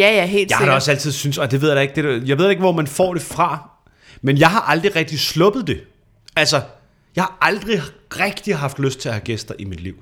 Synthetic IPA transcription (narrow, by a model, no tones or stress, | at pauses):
æjæɦḛːljaɪhɑɾeɒ̽sæl̰t͡sʰið̞̰ˠsynsɒ̽d̥e̝ʋe̝ð̞̰ˠjdɑ̈eɡ̥̚d̥eɾjɑ̈ʋeð̰ˠdɑeɡ̥ʋɒmænfɒ̰ːɾ̥e̝fʁɑ̈ | menjɑ̈ɪɦɑ̈ʔɑ̈ld̥ʁiʁɛɡ̥̚d̥islɔ̽b̥ð̞̩ˠd̥e̝ | ælsɐ | jɑ̈ɪhɑ̈ʔɑ̈ld̥ʁiʁɛɡ̥̚d̥iɦɑ̈fd̥løsd̥̚t͡sʰe̝æhæɡ̥esd̥ɐʔimid̥liʊ̰